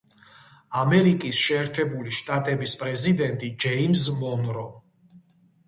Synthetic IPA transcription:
amɛɾikʼisʃɛːɾt̪ʰɛbuliʃt̪ʼat̪ʼɛbispʼɾɛzid̪ɛnt̪ʼid͡ʒɛimzmɔnɾɔ

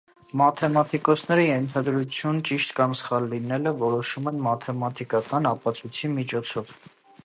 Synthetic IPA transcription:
mɑt̪ʰɛmɑt̪ʰikɔt͡sʰnɛɾijɛnt̪ʰɑd̪ɾut͡sʰjunt͡ʃiʃt̪kɑmsχɑlːinɛləvɔɾɔʃumɛnmɑt̪ʰɛmɑt̪ʰikɑkɑnɑpɑt͡sʰujt͡sʰimit͡ʃʰɔt͡sʰɔv

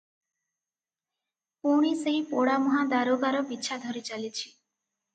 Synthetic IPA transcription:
puɽ̃iseɦipoɽamɔɦad̪aɾoɡaɾɔbitːʃʰad̪ʱɔɾit͡ʃalit͡ʃʰi̥

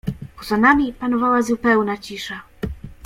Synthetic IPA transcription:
pɔzanamʲipanɔvawazupɛwnat͡ɕiʂa

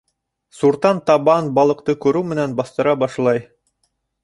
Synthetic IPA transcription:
suɾt̪ɑnt̪ɑβɑnbɑlˠɤ̆qt̪ɤkʉɾʉwmɘ̆nænbɑst̪ɤ̆ɾɑbɑʃlˠɑj

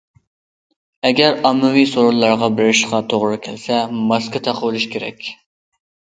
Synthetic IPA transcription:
ɛɡʲɛɾɑmːɨwisoɾulˠːɑɾʁɑbɪɾɪɾɪʃqɑt̪ʰoʁɾɨkʲʰælsɛmɑskɨt̪ʰɑqʰəwɨlˠuʃkʲʰeɾɛ̰kʲ

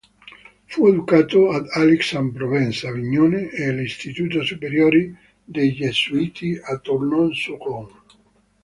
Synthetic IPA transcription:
fued̪ukaːt̪oad̪aliksampɾovɛnsaviɲːoːneelist̪it̪ut̪osupeɾjoɾi | d̪ejʎesuit̪ʰiat̪ːornɔnsukɔŋ

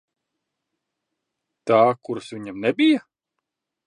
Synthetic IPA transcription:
t̪aːkuɾsvʲiɲamnɛbʲija

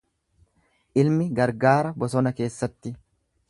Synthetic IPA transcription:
ʔɪlmɪɡɐɾɡaːɾɐbɔsɔnɐke̞ːsːɐt̪ːɪ

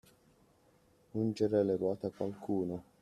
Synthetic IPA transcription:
und͡ʒeɾɛleɾwɔːt̪akwalkʰuːno

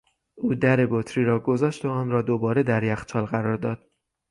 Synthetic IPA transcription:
ʔuːd̪æɾe̞bot̪ʰɾiːɾɒːɡo̞zɒːʃt̪oɒːnrɒːd̪obɒːɾe̞d̪æɾjæxt͡ʃʰɒːlɣæɾɒːɾd̪ɒːd̪̥̚

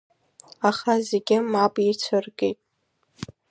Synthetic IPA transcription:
aχazeɡʲɪmabʼit͡sʷʰɨrɡḛjtʼ

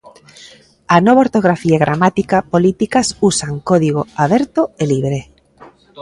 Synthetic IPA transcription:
anoβaoɾt̪oɣ̞ɾafiaeɣɾʔamat̪ikapolit̪ikasusaŋkɔðiɣ̞oaβɛɾt̪oeliβɾe

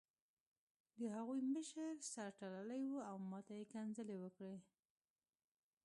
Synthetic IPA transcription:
d̪əɦaɣujməʃəɾsaɾʈalalajwuawmɑt̪ajekanzəlewəkɽe

